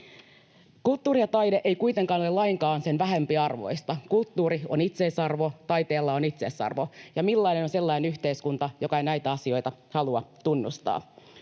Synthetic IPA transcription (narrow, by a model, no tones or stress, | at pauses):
kult̪ːuːɾijɑt̪ɑjdeʔejkuit̪e̞ŋkɑːnolelɑjŋkɑːnse̞nʋæɦe̞mpiɑrʋo̞̰jst̪ɑkult̪ːuːɾionit̪seːsɑrʋo̞t̪ɑjt̪e̞ːlːɑonit̪sesɑ̰rʋo̞jɑmilːɑjne̞no̞nse̞lːɑinenyçt̪e̞iskunt̪ɑjo̞kɑenæjt̪æɑsio̞jt̪ɑhɑluɑt̪unːust̪ɑ̰ː